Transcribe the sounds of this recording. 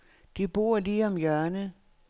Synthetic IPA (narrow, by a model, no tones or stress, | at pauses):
d̥ib̥o̝̰ːɐ̰liːɒ̽mjɶɐnə